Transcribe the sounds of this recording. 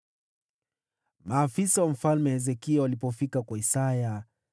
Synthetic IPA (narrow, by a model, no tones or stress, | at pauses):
maːfisawam̩falmɛhɛzɛkiawalipɔfikakwaisaja